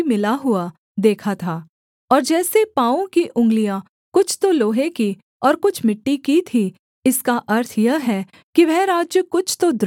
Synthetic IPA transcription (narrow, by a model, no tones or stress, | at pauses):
mɪlaɦʊa | d̪eːkʰat̪ʰaː | ɔːɾd͡ʒɛːsepãːõkiʔʊ̃ŋɡlijã | kʊt͡ʃʰt̪oloːɦeki | ɔːɾkʊt͡ʃʰmɪʈːikit̪ʰi | ɪskaʔɐɾt̪ʰjɐɦɛː | kiʋɛɦɾaːd͡ʒjəkʊt͡ʃʰt̪od̪